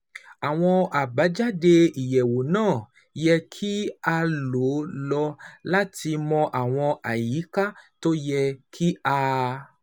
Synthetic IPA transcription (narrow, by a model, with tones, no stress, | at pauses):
a˨w̃ɔ̃˧a˨ba˨˦d͡ʒa˦de˧i˨jɛ˨wo˨nãː˦˨ | jɛ˧kʰi˦a˧lo˨˦lɔ˧la˦ti˧mɔ̃˧ʔa˨w̃ɔ̃˧a˨ji˨˦ka˦to˦jɛ˧kʰi˦a˧